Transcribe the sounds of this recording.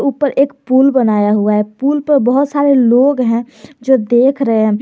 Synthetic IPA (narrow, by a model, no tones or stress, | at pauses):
uːpəɾʔeːkpuːlbənaːjaɦʊaɦɛpuːlpəɾbəɦʊt̪saːɾeloːɡɦɛ̃ | d͡ʒoːd̪eːkʰɾəɦeɦɛ̃